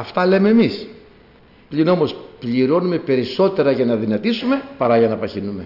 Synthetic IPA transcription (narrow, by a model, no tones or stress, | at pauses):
ɐft̪ɐle̞meːmis | pʎino̞mo̞spʎiɾo̞nume̞pe̞ɾiso̞t̪e̞ɾɐʝɐnɐðinɐt̪isume̞pɐɾɐʝɐnɐpɐçinume̞